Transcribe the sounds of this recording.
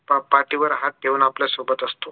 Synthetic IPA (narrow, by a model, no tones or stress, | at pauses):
ppaɾʈiːʋəɾɦat̪̚d̪ʱeʋuːnapljasobət̪əst̪o